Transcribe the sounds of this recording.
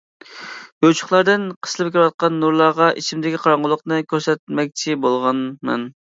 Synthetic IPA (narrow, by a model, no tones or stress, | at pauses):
jot͡ʃʰʊ̥χlˠɑɾd̪ɨnqʰə̥slˠɨp̚kʲiɾwɑt̪̚qɑnːuɾlˠɑʁɑʔit͡ʃʰimd̪ɪkʲiqʰɑɾɑɴʁʊlˠʊqnɨkʲʰøɾsɛt̪̚mɛk̚ʲt͡ʃʰibolˠʁɑnmɛ̰n